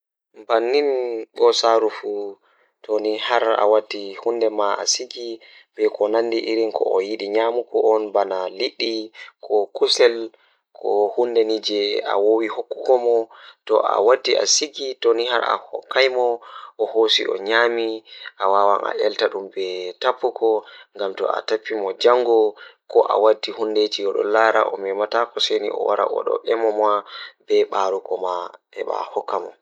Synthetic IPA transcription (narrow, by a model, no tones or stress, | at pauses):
mbanːinɓɔsaɾufu | tonihaɾa̰wadːihundɛmaa̰siɡi | b̥ɛkʰɔnanːdiʔiɾinkʰɔ̰ɔjiɗiɲamukɔʔɔnbanaliɗːikʰɔkusɛl | kʰɔhundɛnid͡ʒɛa̰wowihokːu̥kɔmɔtɔ̰ʔa̰wadːiʔa̰siɡitoniɦaɾʔa̰hɔ̰kʰːajmɔʔɔhosḭʔɔ̰ɲamiʔawawanʔa̰ʔɛltaɗumbɛtapːuɡɔŋɡamtɔ̰a̰tapːimɔd͡ʒaŋɡɔkɔʔa̰wadːihunded͡ʒiɡɔɗɔlaɾa̰ʔɔmɛmatakɔsenḭʔɔ̰waɾa̰ʔɔ̰ɗɔ̰ʔɛmɔmabɛɓaɾukɔma | ɛɓa̰hɔkːamɔ